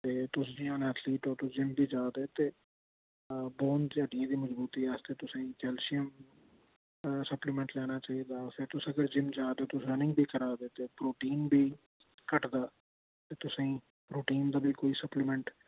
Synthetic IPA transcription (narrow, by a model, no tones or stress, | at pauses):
t̪eːt̪ʊsd͡ʒiãːnɛːt̪ʰliːʈɔːɾt̪ʊsd͡ʒɪmbʱiːd͡ʒaːd̪eːt̪eː | boːnd͡ʒ̪əɖɪjãːd̪iːməzbuːt̪iːaːst̪eːt̪ʊsãːĩːt͡ʃɛːlʃɪjəm | səplɪmɛ̃ɳʈlɛːnaːt͡ʃaːiːd̪aːpʰɪɾt̪ʊsəɡəɾd͡ʒɪmd͡ʒaːd̪eːt̪ʊsɾənɪ̃ŋɡbʱiːkəɾaːd̪eːt̪eːpɾoːʈiːnbʱiː | kəʈd̪aː | t̪eːt̪ʊsãĩː | pɾoːʈiːnd̪aːbʱiːkoːiːsəplɪmɛ̃ɳʈ